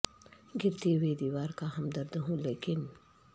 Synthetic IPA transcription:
ɡɪɾt̪eːweːd̪iwaːɾkahɐmd̪ɐɾd̪ɐɦũleːkɪn

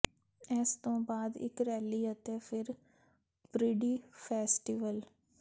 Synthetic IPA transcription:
ɛːst̪õːbaːd̪ɪ̰kɾɛːliːət̪eːpʰɪɾ | pɾɪɖiːpʰɛːsʈiːʋəl

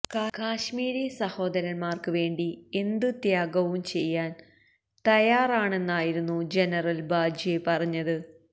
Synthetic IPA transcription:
kakaːɕmiːɾesɐho̞ːd̪ɐɾɐnmaːrkɨʋe̞ːɳɖie̞nd̪ɨt̪jaːɡɐʋumt͡ɕe̞jːaːn | t̪ɐjaːraːɳe̞nːaːjiɾunːud͡ʑe̞nɐrɐlbaːd͡ʑʱijepɐrɐɲːɐðɨ

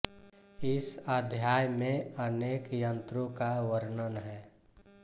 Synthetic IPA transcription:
ɪsəd̪ʱjaːjmẽəneːkjə̃nt̪ɾõkaʋəɾnənɦɛː

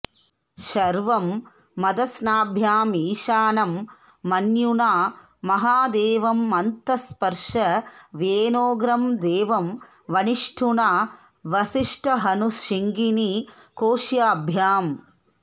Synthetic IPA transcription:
ʃɐɾʋɐmː | ɐd̪ɐsnaːbʱjaːmiːʃaːnɐmː | ɐnjunaː | mɐɦaːd̪eːʋɐmːɐnt̪ɐspɐɾʂɐʋjeːnoːɡɾɐmd̪eːʋɐm | ʋɐniʂʈʰuɳaː | ʋɐsiʂʈʰɐɦɐnuʂiŋɡinikoːʂjaːbʱjaːm

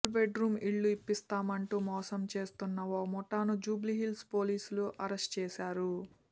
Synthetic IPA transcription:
lbeɖɾuːmiɭːuipːist̪aːmɐɳʈuːmɔːsɐmt͡ʃe̞ːst̪unːɐʋomɔʈːaːnud͡ʒuːbliɦilspo̞ːliːsuluʔɐɾesʈt͡ʃɛːsaːɾu

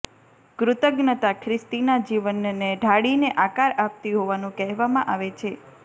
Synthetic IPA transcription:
ɡɾʊt̪əɡnət̪akʰɾɪst̪inad͡ʒiʋənːeɖʱaɽineʔakaɾap̚t̪iɦoʋanũkɛɦʋamãʔaʋet͡ʃʰe

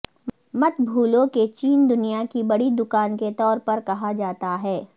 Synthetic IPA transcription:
mɐt̪bʱuːlõket͡ʃiːnd̪ʊnijakibɐɽid̪ʊkaːnket̪ɔːɾpɐɾkɐɦad͡ʒaːt̪aɦɛː

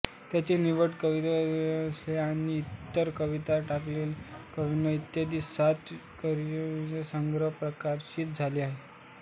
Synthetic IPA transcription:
t̪jat͡ɕiniʋəʈkəʋit̪asleaɽ̃iːt̪ːəɾkəʋit̪aʈaklelkəʋinəit̪jad̪iːat̪kəɾiasəŋɡɾəɦpɾəkaɾɕiːt̪̚d͡zʱaliaɦe

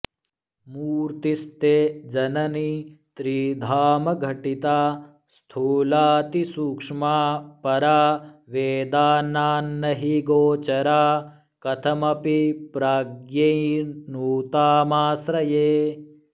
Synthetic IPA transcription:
muːɾt̪ist̪eːd͡ʒɐnɐnit̪ɾiːd̪ʱaːmɐɡʱɐʈit̪aː | st̪ʰuːlaːt̪isuːkʂmaːpɐɾaːʋeːd̪aːnaːnːɐɦiɡoːt͡ʃɐɾaː | kɐt̪ʰɐmɐpipɾaːɡjɐnuːt̪aːmaːsɾɐjeː

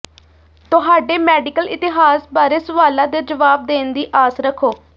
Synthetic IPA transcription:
t̪ʊɦaːɖeːmɛːɖɪkəlɪt̪ɪɦaːsbaːɾeːsəʋaːlãːd̪eːd͡ʒəʋaːb̚d̪eːnd̪iːʔaːsɾəkʰːoː

